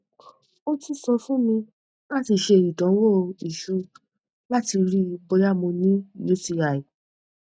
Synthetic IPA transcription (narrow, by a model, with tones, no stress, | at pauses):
o˦ti˦sɔ˧fũ˦mĩ˧ | la˦ti˧ʃe˧i˨dɔ̃˨˦wo˦˨˧i˨ʃu˧ | la˦ti˧ɾi˦i˧bɔ˧ja˦˨mõ˧nĩ˦ju˦ti˧a˨i˨